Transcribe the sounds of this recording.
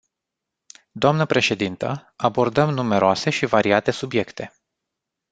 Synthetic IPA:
d̪oamnəpɾe̞ʃe̞d̪int̪əabo̞rd̪əmnume̞ɾoase̞ʃivaɾiat̪e̞subje̞kt̪e̞

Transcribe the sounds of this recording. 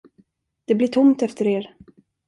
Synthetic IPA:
d̪̥ɛblɪʈʰʊmt̪ɛft̪əɾeːɾ

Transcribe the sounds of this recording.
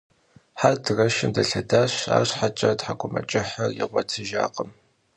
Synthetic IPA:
ħardrɐʃɪmdɐɬɐdaːɕa̰ːrɕħat͡ʃʼɐtħakʷʼʊmɐ̰t͡ʃʼɪħarjɪʁʷɔtʰɨʒa̰ːqʼəm

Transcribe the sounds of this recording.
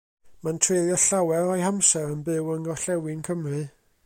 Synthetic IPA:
mantʰreðjɔɬawɛɾɔjhamsɛɾənbɨwəŋɔɬɛwɪnkʰəmrɨ

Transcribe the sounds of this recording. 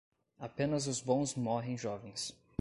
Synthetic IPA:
apẽnɐzʊzbõw̃zmɔɦẽj̃ʒɔvẽj̃s

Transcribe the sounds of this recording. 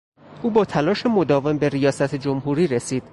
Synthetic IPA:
ʔuːbɒːt̪ʰælɒːʃe̞mo̞d̪ɒːve̞mbe̞ɾijɒːsæt̪ʰed͡ʒomɦuːɾiːɾesiːd̪̥

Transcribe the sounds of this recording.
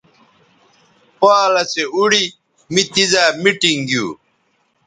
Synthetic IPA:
paːlɐseuɽi | mit̪izaːmiʈiŋɡjṵː

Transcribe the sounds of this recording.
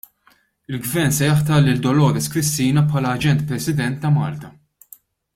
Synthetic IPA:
ɪlɡvɛɾnsɛjɐħt̪ɐlɪld̪ɔlɔːɾɛskɾɪst̪iːnɐpħɐːlɐːd͡ʒɛnt̪̚pɾɛsɪd̪ɛnt̪ːɐmɐ̰ːlt̪ɐ

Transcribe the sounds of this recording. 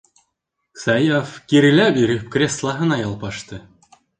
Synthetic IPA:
sɑjafkʲiɾʲilʲæbʲiɾʲepkrʲeslˠɑɦɤ̆nɑjɑlˠpɑʂt̪ɤ̆

